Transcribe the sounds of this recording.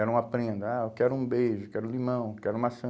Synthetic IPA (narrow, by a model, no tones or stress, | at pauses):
ɛɾʊũapɾẽnd̪ʊaewkɛɾʊũbejʒʊkɛɾũlimɐ̃w̃kɛɾʊũmɐsɐ̃